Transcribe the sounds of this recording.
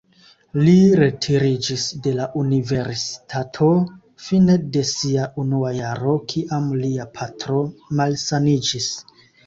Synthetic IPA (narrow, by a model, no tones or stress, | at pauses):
liɾe̞tʰiɾid͡ʒisde̞laʔunive̞ɾsi̥tʰatʰo̞ | fine̞de̞siaʔunuajaɾo̞kʰiʔamliapʰatɾo̞malsanid͡ʒis